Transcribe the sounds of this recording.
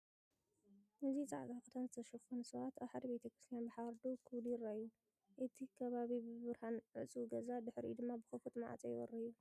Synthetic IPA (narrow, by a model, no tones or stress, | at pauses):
nɨzit͡sʼa̰ʕɡakʼɨt̪ʰanzɨt̪ʰɐʃɐxonusɐβat̪aβħad̪ɐβet̪ʰɐkɾist̪ʰjanbɨħaɾd̪ukʰɨwd̪iɾajːu | ʔɨt̪ʰikʰɐβaβibɨβɨɾhanʕɨt͡sʼɡɐzad̪ɨħɾḭd̪ɨmːabɨxɐfut̪ma̰ʕa̰t͡sʼɐjɪwɐ̰rɐjːu